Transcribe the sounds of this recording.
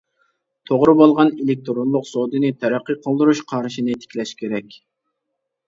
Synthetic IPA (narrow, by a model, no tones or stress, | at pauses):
t̪ʰoʁɾɨbolˠʁɑnelɪk̚ʲt̪ʰɾonlˠʊqsod̪ɨnɨt̪ʰæɾæqːəqʰəlˠd̪ɨɾuʃqʰɑɾɨʃinɨt̪ʰe̥kʲlɛʃkʲʰeɾɛkʲ